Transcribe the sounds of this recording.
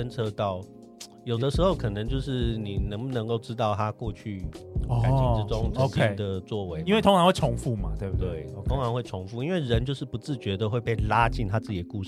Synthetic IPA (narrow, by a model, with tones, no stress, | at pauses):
ə˥nʈ͡ʂʰɤ˥t̪ɑ˥˩ʊ | jo˨˩ʊd̪ə˦ʂɻ̩˧xo˥˩ʊkʰɤ˨˩nɤ˧˥ŋt͡ɕjo˥˧ʊʂɻ̩˥˩ni˨˩nə˧˥ŋbu˧nə˧˥ŋko˥˩ʊʈ͡ʂɻ̩˥t̪ɑ˥˩ʊt̪ʰa˦kwɔ˥˧t͡ɕʰy˥˩a˨˧nt͡ɕi˧˥ʈ͡ʂɻ̩˥ʈ͡ʂʊ˥ŋʈ͡ʂkʰi˥˧d̪ə˨t͡swɔ˥˨˩we˧˦ɪi˥nwe˥˩t̪ʰo˥ŋɻa˧˥xwe˥˩ʈ͡ʂʰʊ˧˥ŋfu˥˩ma˨t̪we˥˨t̪we˥˩ɪ˧o˥ŋɻa˧˥ŋxwe˥˩ɪʈ͡ʂʰʊ˧˥ŋfu˥˨i˥nwe˥˩ɪɻə˧˦nt͡ɕjo˥˧ʊʂɻ̩˥˩pu˧˥t͡sɹ̩˥˩t͡ɕɥɛ˧˥d̪ə˨xwe˥˧ɪpe˥˩ɪla˦t͡ɕi˥˩nt̪ʰa˦˥t͡sɹ̩˥˩t͡ɕi˨˩ə˦ku˥˧˩